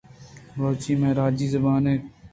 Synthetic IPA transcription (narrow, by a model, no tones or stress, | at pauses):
ɾoːt͡ʃiːmẽːɾaːd͡ʒiːzəbaːnẽː